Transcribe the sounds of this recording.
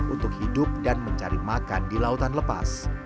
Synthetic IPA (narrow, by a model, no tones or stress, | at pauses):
unt̪ʊk̚hidʊp̚danməɲt͡ʃaɾimakandilaut̪anləpa̰s